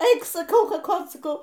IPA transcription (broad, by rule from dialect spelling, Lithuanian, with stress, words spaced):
ˈɛɪk sɐˈkɐʊ kɐˈkoːt sɐˈkɐʊ